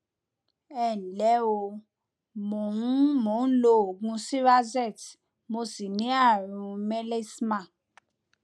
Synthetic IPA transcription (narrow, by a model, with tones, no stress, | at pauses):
ɛ˨lɛ˨˦o˧ | mo˨nũ˦mo˨˦˨n̩˦lo˦˨o˨ɡũ˧si˦ɾa˦zɛ˦˨t | mo˧si˨nĩ˨˦a˦˨ɾ̃ũ˧me˦le˦smã˦˨